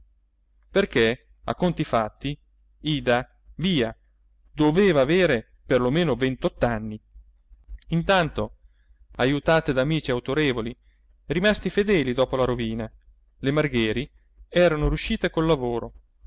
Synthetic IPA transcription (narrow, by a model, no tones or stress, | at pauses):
perke | a̰kːont̪ifat̪ːi | iːd̪a | viːa | d̪oveːvaːveːɾe | perlomeːnovent̪ɔt̪ːanːi | int̪ant̪o | ajut̪aːt̪ed̪aːmiːt͡ʃiawt̪oɾeːvoli | rimast̪ifed̪ɛːlid̪ɔːpolaɾoviːna | lemarɡɛːɾi | ɛːɾanoɾjuʃːiːt̪ekolːavoːɾo